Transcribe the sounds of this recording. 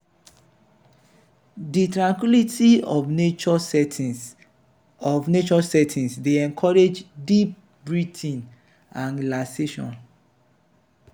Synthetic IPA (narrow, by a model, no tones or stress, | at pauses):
ditɹãŋkwilitiɔnet͡ʃɔ | ɔvnet͡ʃɔsɛtʰĩnsdeɛ̃ŋkʰɔɹed͡ʒdip̚ | bɹitʰĩn | ãnlaseʃɔ̰̃n